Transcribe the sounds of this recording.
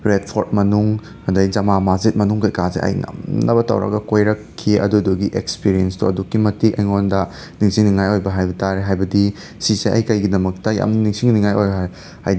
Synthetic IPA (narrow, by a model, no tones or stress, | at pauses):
ɾet̚pʰoɾt̚mɐnuŋ | hɐndɐjd͡ʒɐmamazet̚mɐnuŋkɐjkazḛʔɐ̰jŋa̰mnɐbɐtɐ̰wɾɐ̰ɡɐkojɾɐkʰːiɐ̰duduɡiʔek̚spiɾienstʰuɐdukːimɐtikɐjŋondɐ | niŋsiŋniŋajojbɐɦajbɐtaɾeɦajbɐdi | siseʔɐ̰jkɐjɡidɐmɐk̚tɐja̰mniŋsiŋniŋajoja | ha̰jd